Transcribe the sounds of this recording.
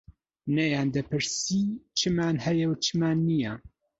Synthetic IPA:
nɐjaːnd̪ɐpʰɨɾsit͡ʃʰɨmaːnhɐjɛwt͡ʃʰɨmaːnːija

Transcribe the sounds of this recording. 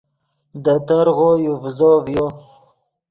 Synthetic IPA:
d̪ət̪aɾɣojuvzovjo

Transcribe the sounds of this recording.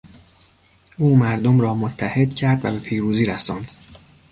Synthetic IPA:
ʔuːmæɾd̪omɾɒːmot̪ʰːæhed̪̥cʰæɾd̪væ̰be̞pʰiːɾuːziːɾæsɒːnd̪̥

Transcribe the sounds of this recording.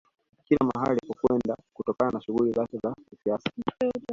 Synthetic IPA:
kiɾlamaha̰likɔkwɛndakutɔkananaʃuɣulizakɛzakisiasḁ

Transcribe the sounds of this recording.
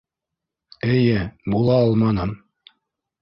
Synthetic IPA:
ɘ̆jɘbulˠɑɑlˠmɑnɤm

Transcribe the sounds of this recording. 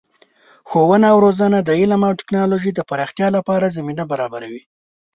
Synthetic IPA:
xowənaːwɾozanad̪əɪlamawʈɪ̥knɑloʒid̪əpaɾɑxt̪jɑlapɑɾazaminabaɾɑbaɾawi

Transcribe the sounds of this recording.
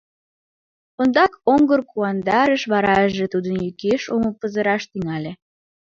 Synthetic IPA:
ond̪ɑkoŋɡərkuɑnd̪ɑɾəʃβɑɾɑəʒet̪ud̪ənjykeʃoməpəzəɾɑʃt̪yŋɑlʲe

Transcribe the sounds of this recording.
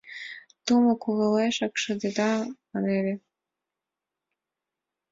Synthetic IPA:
t̪umɤ̆kuɣɤ̆leʃɑkʃɤ̆d̪ed̪ɑmɑneɾĕ

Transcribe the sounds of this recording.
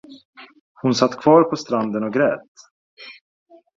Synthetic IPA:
hʊnsat̪ːkʰv̥ɑːɾpʰɔst̪ɾand̪ənɔɡɾɛːt̪

